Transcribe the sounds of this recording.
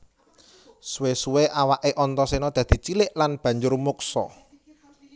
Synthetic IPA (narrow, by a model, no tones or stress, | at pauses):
suwesuweʔawaʔeʔɔnt̪ɔsenɔd̪̥ä̤d̪̥i̤t͡ʃilɪʔlanb̥ä̤ɲd͡ʒʊrmuksɔ̰